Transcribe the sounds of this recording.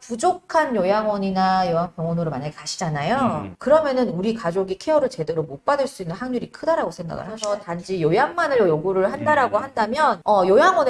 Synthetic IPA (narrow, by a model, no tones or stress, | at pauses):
pud͡ʑokʰanjojaŋwʌɲinajojaŋpjʌŋʌnoɾɯɭmaɲaɡekaɕʰid͡ʑanajokɯɾʌmjʌnɯnuɾikad͡ʑoɡikʰeʌɾɯɭt͡ɕe̞de̞ɾomop͈adɯɭs͈uinːɯnɦaŋɲuɾikʰɯdaɾaɡosʰenda̰ɡa̰ansʰʌtand͡ʑijojaŋmanɯɭjoɡuɾɯɭhandaɾaɡohandamjʌnʌjojaŋwʌn